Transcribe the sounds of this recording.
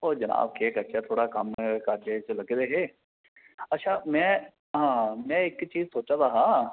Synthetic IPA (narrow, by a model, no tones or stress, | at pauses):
oːd͡ʒəna̰ːbkʰeːkəʃʰat̪ʰoːɽaːkəmkaɾd͡ʒeːt͡ʃləɡd̪eːɦeː | ətːʃʰaːmɛ̃ː | ɦãːmɛ̃ːɪkt͡ʃiːzsoːt͡ʃãːd̪aːɦãː